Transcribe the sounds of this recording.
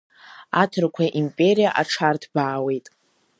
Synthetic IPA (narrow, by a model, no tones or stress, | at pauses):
atʰɨrkʷʰaʔimpʼe̞ɾijaʔaʈ͡ʂʰartʰbaːwe̞jtʼ